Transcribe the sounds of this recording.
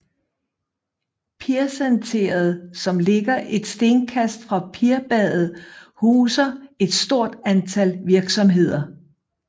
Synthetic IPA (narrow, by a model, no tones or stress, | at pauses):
pʰiɐsænt͡sʰe̝̰ːɐð̞̩ˠsɒ̽mle̝ɡ̥ɐʔe̝d̥sd̥e̝nkʰæsd̥fʁɑ̈pʰiɐb̥ɛð̰ˠð̩ˠhuːsɐe̝d̥sd̥o̝ɐ̰d̥ænt͡sʰælʋiɐɡ̥sɒ̽mɦe̝ð̞̰ˠɐ